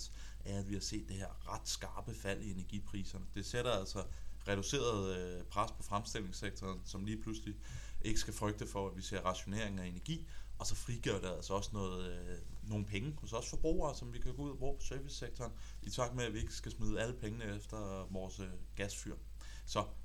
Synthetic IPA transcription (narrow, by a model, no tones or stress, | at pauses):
s | æɐæʋihɑ̈se̝̰ːd̥ːeheɐ̰ʁɑ̈d̥sɡ̥ɑ̈ːb̥əfæl̰ie̝næɐɡ̥ḭpʰʁḭːsɐnəd̥e̝seɾ̥ɐæl̰sɒ̽ʁɛɾ̥use̝̰ːɐð̞ˠpʰʁaspʰɒ̽fʁamsd̥e̝l̰e̝ŋseɡ̥̚t͡sʰɒːnsɒ̽mliːpʰlusli | ʔe̝ɡ̥əsɡ̥æfʁœɡ̥̚d̥əfɒ̽æʋise̝ɐ̰ʁɑ̈ɕo̝ne̝ɐ̰e̝ŋ̩æe̝næɐɡ̥ḭːɒ̽sɒ̽fʁiɡ̥iɐ̰ɾ̥e̝ælsɒɒ̽snɔ̽ːð̩ˠno̝ːn̩pʰeŋəhɒsɒ̽sfɒ̽b̥ʁṵːɐːsɒ̽mʋikʰæɡ̥ɔ̽uðˠɐb̥ʁṵːpʰɒ̽sœɐʋisːeɡ̥̚t͡sʰɒːn | it͡sʰɑ̈ɡ̥̚meæʋie̝ɡ̥əsɡ̥æsmið̞ˠəæləpʰeŋənəefd̥ɐʋɒːsɡ̥æsfyɐ̰ | sɒ̽